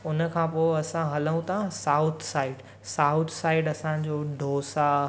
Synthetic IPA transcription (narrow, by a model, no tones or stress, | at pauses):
ʊnə̆kʰãːpoːɪɐsãɦɐləũt̪ʰaãsaːʊt̪ʰsaːɪɖ | saːʊt̪ʰsaːɪɖɐsãd͡ʑoːɖʱoːsa